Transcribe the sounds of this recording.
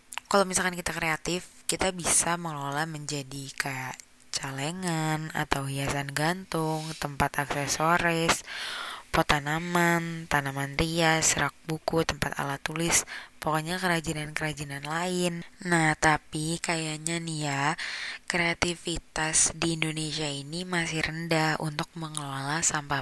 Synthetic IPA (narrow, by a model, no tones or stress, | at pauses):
kalowmisalkankit̪akəɾeat̪ɪfkit̪abisaməŋlolahməɲd͡ʒadikə | t͡ʃaleŋana̰t̪awɦiasanɡant̪ʊŋt̪əmpat̪aksɛsoɾɛs | pot̪anamant̪anamanɾiasəɾak̚bukut̪əmpat̪a̰lat̪ːulɪspokoɲakəɾad͡ʒinankəɾad͡ʒinanlaɪnnaht̪apikajaɲanijakɾeat̪ifit̪asdiːndoneʃiainimasɪhɾəndahṵnt̪ʊk̚məŋəlalasampa